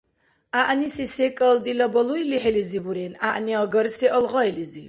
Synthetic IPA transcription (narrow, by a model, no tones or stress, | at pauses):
aʔnisisɛkʼəld̪ilabɔluiliħɛlizibuɾɛna̰ʔniaɡəɾsiʔɔlʁɔɛlizi